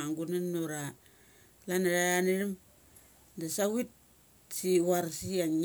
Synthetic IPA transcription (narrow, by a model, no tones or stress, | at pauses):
aŋɡunanːoɾa | lanaɾajaniɾim | dasawit̚ | siwaɾsiaŋ